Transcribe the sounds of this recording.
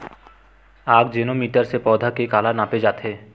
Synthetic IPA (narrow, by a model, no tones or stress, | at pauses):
aɡ̚d͡ʑenomiʈaɾsepɔd̪ʱakekalanaped͡ʑat̪ʰe